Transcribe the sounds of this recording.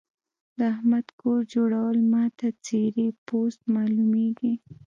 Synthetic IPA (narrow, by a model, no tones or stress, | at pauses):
d̪əahmad̪koɾd͡ʒoɽawəlmɑt̪at͡seɾepost̪mɑlumeɡi